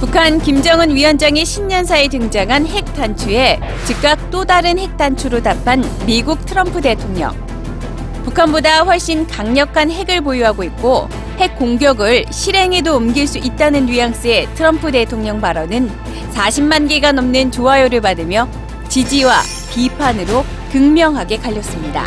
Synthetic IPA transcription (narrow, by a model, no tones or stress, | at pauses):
pukʰankimd͡ʑʌŋɯnɥiʌnd͡ʑaŋeɕʰimɲʌns̬ʰaetɯŋd͡ʑaŋɦanɦe̞k̚t͈ant͡ɕʰue̞ | t͡ɕik̚k͈ak̚t͈odaɾɯnhe̞k̚t͈ant͡ɕʰuɾotapʰanmiɡuk̚tʰɯɾʌmpʰɯde̞tʰoŋɲʌ̰ŋ | pukʰanbodaɸwʌɭɕ͈inkaŋɲʌkʰanɦe̞ɡɯɭpojuɦaɡoit̚k͈o | he̞k̚k͈oŋɡjʌɡɯɭɕʰiɾe̞ŋe̞doːmɡiɭs͈uʔit̚t͈anɯnːɥijaŋs͈ɯe̞tʰɯɾʌmpʰɯde̞tʰoŋɲʌŋpaɾʌnɯn | saɕʰimmanɡiɡanʌmnɯnt͡ɕoajoɾɯɭpadɯmjʌ | t͡ɕid͡ʑiwa | pipʰanɯɾo | kɯŋmjʌŋɦaɡe̞kaʎːʌs͈ɯmɲida̰